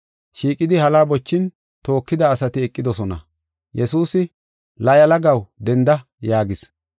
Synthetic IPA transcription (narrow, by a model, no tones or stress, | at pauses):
ʃiːkʼɪd̪ɪhɐlaːbɔt͡ʃːɪn | t̪o̞ːkːɪd̪ɐːsɐt̪ɪɛkʼːɪd̪ɔsɔnɐ̰ | jɛsuːsɪ | lɐjɐlɐɡɐwd̪ɛnd̪ɐ | jaːɡɪs